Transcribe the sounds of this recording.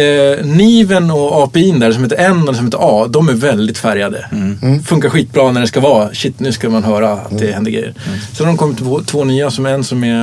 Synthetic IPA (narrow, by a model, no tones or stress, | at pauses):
niːvənɔɑːpɛiːnd̪æɾɖs̬ɔmheːt̪ːɾɛnːɔd̪ɛsɔmhet̪ːəɾɑːd̪ɔmæɾvɛld̪ɪt̪fæɾjad̪ə̰fɵŋkaɾɧiːt̪̚bɾɑːnæɖɛskavɑːɕɪt̪ːnʉ̟ːskamanɦœːɾaa̰t̪̚d̪ɛhɛnd̪əɡɾɛ̰jə̰ɾsɛnd̪ɔmkʰɔmːɪt̪pʰɔt̪ʰvoːnyːasɔmɛnsɔmɛ